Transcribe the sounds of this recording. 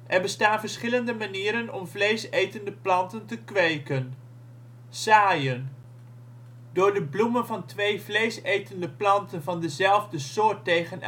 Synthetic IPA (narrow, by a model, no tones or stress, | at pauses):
ʔɛɹbəstaːnvəɹsχɪləndəmaniːɾənɔmvlejsejtəndəplɑntəntəkʋejkən | saːjən | dʊːɹdəblumənvɑntʋejvlejsejtəndəplɑntənvɑndəzɛlˠvdəsʊːɹtejχən